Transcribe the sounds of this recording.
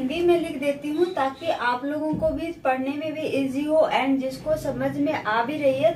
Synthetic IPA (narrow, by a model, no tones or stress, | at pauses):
ŋɡ̪imẽlɪkʰd̪eːt̪iɦũt̪aːkiʔaːploːɡõkobʱipɐɽ̤nemẽbʱiʔiːzioʔɛ̃ːɳd͡ʒɪskosɐməd͡ʒʱmẽʔaːbʱiɾɐɦiɛː